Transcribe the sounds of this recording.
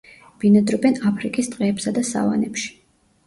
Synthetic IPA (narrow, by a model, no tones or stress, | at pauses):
b̥inad̪ɾɔbɛnapʰɾikʼist̪ʼqʼɛːpsad̪asa̰va̰nɛpʃi̥